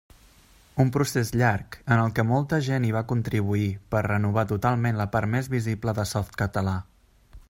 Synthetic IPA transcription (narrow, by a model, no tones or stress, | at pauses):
umpɾusezʎaɾkənəlˠkɛmɔlˠt̪əʒeniβ̞akunt̪ɾiβ̞uipərrənuβ̞at̪ut̪alˠmenləpaɾt̪mezβizibləðəsɔft̪kət̪əla